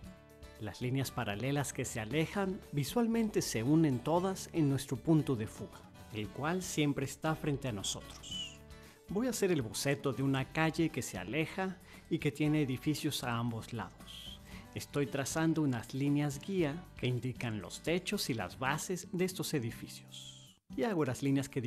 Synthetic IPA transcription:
lazlinjaspaɾale̞laske̞se̞ale̞xanbiswalmẽnt̪e̞se̞une̞nt̪o̞ðasenːwe̞st̪ɾopunt̪uðe̞fuɣa | e̞lkwalsje̞mpɾe̞ːst̪afɾe̞nt̪e̞ano̞so̞̰t̪ɾo̥s | bo̞jase̞ɾe̞lβose̞t̪o̞ðe̞unakaʝe̞ke̞se̞a̰le̞xa | ike̞t̪je̞neːðifisjo̞saambo̞zla̰ðose̞st̪o̞jt̪ɾasand̪o̞unazlinjazɡiake̞ind̪ikanlo̞̰st̪e̞t͡ʃo̞sila̰zβase̞zðeest̪o̞se̞ðifisjo̞̥s | iaɣolazlinjaske

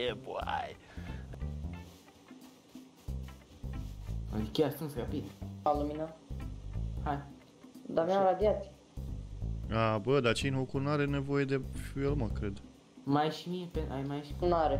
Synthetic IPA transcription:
eboa̰j | a̰d̪ikʲasunsɾapid̪alumina | haj | d̪amaɾad̪iat̪ | abəd̪at͡ʃinhokunaɾenevo̞jed̪efielməkɾed̪ | majʃimiepeajmajʃi̥naɾe

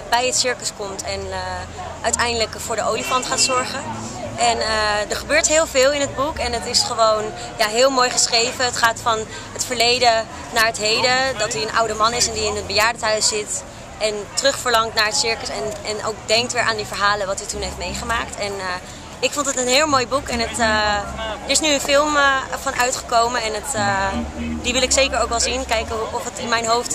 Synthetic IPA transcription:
bɛjətsɪɹkəskɔmtɛnəʔœɥtɛjndələkfʊːɹdəʔowlifɑntχaːtsɔɹχə | ʔɛnədəɹχəbøːɹtɦɪːlˠvɪːlˠɪnɦəd̚bukɛnətɪsχəʋown | jaːɦɪːlˠmoːjχəsχrejvəətχaːtfɑn | ɦətfəɹlejdə | naːɹɦətɦejdədɑtiənʔʌ̰wdəmɑnɪsɛndiɪnəd̚bəjaːɹdətœɥszɪt | ɛntərɵχfəɹlɑŋtnaːɹɦətsɪɹkəsɛnɛno̰wk̚dɛŋk̚tʋɪːɹʔaːndifəɹɦaːlənʋɑtytunɦejftmejχəmaːk̚tɛn | ɪkfɔntətənɦɪːlˠmojbukɛnətə | əɹɪsnyənfɪlˠməfɑnʔœɥtχəkowmənɛnətə | diʋɪlɪksejkəɹowkɛlˠzinkɛjkəɔfətɪnmɛjnɦowft

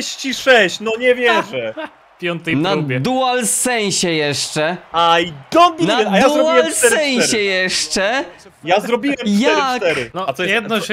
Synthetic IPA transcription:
ɕt͡ɕiʂɛɕt͡ɕnɔɲɛvʲjɛʐɛ | pʲjɔnt̪ɛjnaɛd̪uwalsɛɲ̃ɕɛjɛʂt͡ʂɛajd̪ɔbʲinaaj̪azuɾɔaiwɛlssɛɛj̃ɕɛjɛʂt͡ʂɛ | jazɾɔbʲiwɛmjaɛɾt̪ɛɾɘnɔat̪ɔjjɛd̪nɔ

